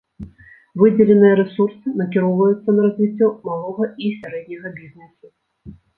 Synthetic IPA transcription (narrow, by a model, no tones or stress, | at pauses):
vɨd͡zʲɛlʲɛnɨjɛɾɛsursɨnɐk̬ʲiɾɔwvɐjut̪sːɐnɐɾɐzʲvʲit͡sʲːɔmalˠɔɣɐisʲaɾɛd̪̚ʲnʲɐɣɐbʲizʲnɛsu